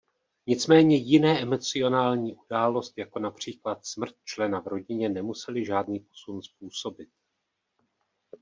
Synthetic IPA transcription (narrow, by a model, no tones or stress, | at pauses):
ɲɪt͡smɛːɲɛjɪnɛːʔɛmo̞t͡sɪo̞naːlɲiːʔudaːlo̞st̪jako̞napr̝̥iːklat̪smr̩t̪̚t͡ʃlɛnavɾo̞ɟɪɲɛnɛmusɛlɪʒaːdniːpo̞̥sunspuːso̞bɪt̪̚